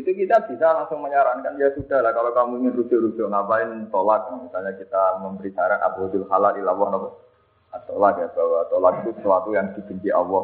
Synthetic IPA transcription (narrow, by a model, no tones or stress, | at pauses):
it̪ukit̪ab̥isalaŋsʊŋməɲaɾankandiasudahlahkalokamuiŋɪnrusʊʔɾusʊʔŋapaɪnt̪olat̪̚jamisalɲakit̪aməmbəɾisaɾana̰buhad̪ɪlhalalilawɔhnak | at̪o̰lat̪̚jat̪awat̪olat̪̚it̪usəwat̪ujaŋd̥i̤bəɲt͡ʃiʔa̰wɔ